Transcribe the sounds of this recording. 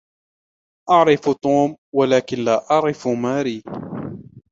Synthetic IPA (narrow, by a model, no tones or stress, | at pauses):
ʔɑʕɾɪft̪ˤuːmwalaːkɪnlaːʔɑʕɾɪfmaːɾiː